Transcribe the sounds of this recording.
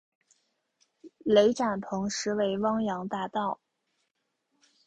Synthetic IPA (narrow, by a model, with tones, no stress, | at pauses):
le˧˥ɪʈ͡ʂa˨˩npʰɤ˧˥ŋʂɻ̩˧˥we˧˥ɪwɑ˥ŋjɑ˧˥ŋt̪a˥˧t̪ɑ˥˩ʊ